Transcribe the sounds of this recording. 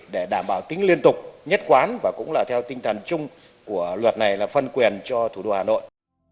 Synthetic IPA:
ɗe˧˩ɗaː˧˩mɓaː˧˩wt̪ï˨˦ŋ̟li˧ənt̪ʊ˨˩k͡p̚ɲə˦˥t̚kwaː˨˦nvaː˨˩kʊ̰˧˥ŋ͡mlaː˨˩t̪ʰɛ˧wt̪ï˧ŋt̪ʰə˨˩nt͡ɕʊ˧ŋ͡m | ku˧˩əlwə˨˩t̚na˨˩jlaː˨˩fə˧nkwi˨˩ənt͡ɕɔ˧t̪ʰu˧˩ɗo̰˧haː˨˩no̰˧˨j

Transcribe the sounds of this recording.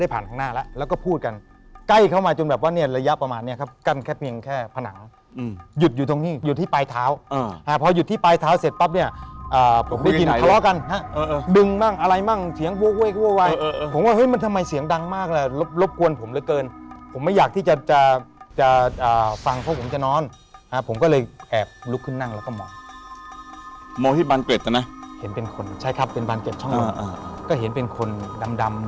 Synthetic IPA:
da˥˩jpʰaː˨˩nt̪ʰa˧ŋnaː˥˩lɛ˦˥ʔlɛː˦˥wkɔː˥˩pʰuː˥˩t̪̚ka˧n | ka˥˩jkʰa˥˩wmaː˧t͡ɕo˧nbɛː˨˩p̚waː˥˩ni˥˩ɐɾa˧ja˦˥pɾa˧maː˧nːi˦˥˨kʰa˦˥p̚ka˥˩nkʰɛː˥˩pʰi˧əŋkʰɛː˥˩pʰa˧na̰˩˦ŋ | ju˨t̪̚juː˨˩t̪̬o˧ŋniː˥˩juː˨˩t̪ʰiː˥˩paː˧jt̪ʰaː˦˥wha˦˥pʰɔː˧ju˨˩t̪ʰːiː˥˩paː˧jt̪ʰaː˦˥wse˨˩t̪̚pa˦˥p̚ni˥˩ɐʔɤː˨˩pʰo˩˦mda˥˩˧ji˧n˨ka˧lɔ˦˥ka˧nha˦˥ʔːdɯ˧ŋmaː˥˩ŋʔa˧ɾa˧jma˥˩ŋsi˨˦əŋwo˧wo˧˩˨ka˥˩woː˧˥˩wa˧jpʰo˨˩˦mwaː˥˩ɦɤ˦˥jma˧nt̪ʰa˧mːa˧jsi˩˦əŋda˧ŋmaː˥˩k̚lɛ˧˩lo˦˥p̚lo˦˥p̚ku˧ənpʰo˨˩˦mlɤː˧jkɤː˧npʰo˩˦mːa˥˩jaː˨˩k̪̚iː˥˩t͡ɕa˨˩t͡ɕa˨˩t͡ɕa˨˩ʔɤː˨˩fa˧ŋpʰɔ˦˥pʰo˩˦mt͡ɕa˨˩nɔː˦˥n | ha˦˥pʰo˩˦mkɔː˥˩lɤː˧jʔɛː˨˩p̚lu˦˥kʰːɯ˥˩nːa˥˩ŋlɛː˦˥wkɔː˥˩mɔː˧ŋ | mɔː˧iː˥˩baː˧nke˨˩t̪̚ːa˧˩na˦˥he˩˦npe˧nkʰo˧nt͡ɕʰa˥˩jkʰɾa˦˥pːe˧nbaː˧nke˨˩t̪̚t͡ɕʰɔ˥˩ŋla˧ʔaː˧˩˧kɔː˥˩ɦe˩˦npe˧nkʰo˧nda˧mda˧m

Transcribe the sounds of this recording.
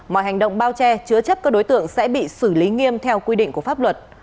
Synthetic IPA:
mɔ̰˧˨jɦa˨˩jŋ̟ɗə̰˧˨wŋ͡mɓaː˧wt͡ɕɛ˧t͡ɕɨ˧ət͡ɕə˦˥p̚kaː˦˥k̚ɗo˨˦jt̪ɨ̰˧˨əŋsɛ̰˧˥ɓḭ˧˨sɨ˧˩li˨˦ŋi˧əmt̪ʰɛ˧wkwi˧ɗḭ̈˧˨ŋ̟ku˧˩əfaː˦˥p̚lwə˨˩t̚

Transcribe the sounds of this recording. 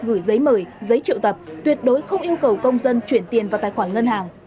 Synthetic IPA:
ɣɨ˧˩jzə˨˦jməː˧˩jzə˨˦jt͡ɕḭ˧˨wt̪ə˨˩p̚t̪wi˨˩ət̚ɗo˨˦jxə˧wŋ͡mʔi˧əwkə˨˩wkə˧wŋ͡mzə˧nt͡ɕwi˧˩ənt̪i˨˩ənvaː˨˩t̪aː˨jxwaː˧˩nŋə˧nhaː˨˩ŋ

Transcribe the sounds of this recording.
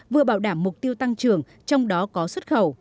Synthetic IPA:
vɨ˨˩əɓaː˧˩wɗaː˧˩mːʊ˨˩k͡p̚t̪i˧əwt̪a˧ŋt͡ɕɨ˨˩əŋ | t͡ɕɔ˧wŋ͡mɗɔ˨˦kɔ˨˦swə˦˥t̚xə˧˩w

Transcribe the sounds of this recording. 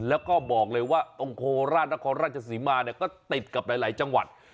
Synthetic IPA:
lɛː˦˥wkɔː˥˩bɔː˨˩k̚lɤː˧jwaː˥˩t̪o˧ŋkʰoː˧ɾaː˥˩t̪̚na˦˥kʰɔː˧nɾaː˥˩t̪̚t͡ɕʰa˧s̬iː˩˦maː˧ni˥˩ɐkɔː˥˩t̪i˨˩t̪̚ka˨˩p̚laː˨˩˦jlaː˩˦jt͡ɕa˧ŋwa̰˨˩t̪̚

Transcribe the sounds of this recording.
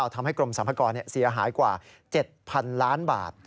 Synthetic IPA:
wt̪ʰa˧mɦa˥˩jkɾo˧msa˨˩˦mpʰa˧kɔː˧nːi˦˥˩ɐsi˩˦ɐɦaː˩˦jkwaː˨˩ | t͡ɕe˨˩t̪̚pʰa˧nlaː˦˥nba̰ː˨˩t̪̚

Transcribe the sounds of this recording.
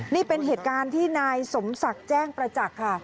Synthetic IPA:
niː˥˩pe˧nɦeː˨˩t̪̚kaː˧nt̪ʰiː˥˩naː˧jso˩˦msa˨˩k̚t͡ɕɛː˥˩ŋpɾa˧t͡ɕa˨˩kʰːa˥˩

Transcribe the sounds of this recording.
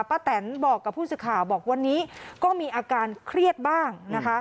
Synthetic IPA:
paː˧˩t̪ɛ˩˦nbɔː˨˩kːa˨˩pʰːuː˥˩sɯː˨˩kʰaː˨˩˦wbɔː˨˩k̚wa˧nːiː˦˥kɔː˥˩miː˧ʔaː˧kaː˧nkʰɾi˥˩ət̪̚baː˥˩ŋna˦˥kʰa˦˥

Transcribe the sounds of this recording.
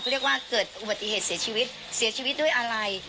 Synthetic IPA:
ɾi˥˩ək̚waː˥˩kɤː˨˩t̪̚ʔu˨ba˨t̪ːḭ˨˧˨heː˨˩t̪̚si˨˩˦ət͡ɕiː˧wi˦˥t̪̚ | si˨˩˦ət͡ɕʰiː˧wi˦˥t̪̚ɗdu˥˩əjʔaː˧ɾa˧j

